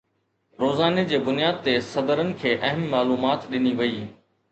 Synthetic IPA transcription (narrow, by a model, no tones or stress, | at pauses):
ɾoːzaːned͡ʑeːbʊnijaːd̪̚t̪esɐd̪əɾənɪ̆kʰeːʔɐɦəmːaːluːmaːt̪ɗɪniʋɐiː